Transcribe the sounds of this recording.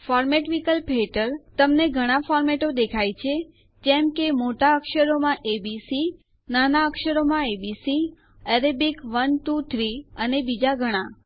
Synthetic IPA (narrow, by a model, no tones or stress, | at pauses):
fɔɾmeʈʋikəlpʰeʈəɾt̪əmneɡʱəɽ̃afɔɾmeʈod̪ekʰajt͡ʃʰe | d͡ʒɛmkemoʈaəkʃəɾomãʔebisi | nanaəkʃəɾomãebisi | ɛɾebikʋənʈut̪ʰɾiənebid͡ʒaɡʱəɽ̃a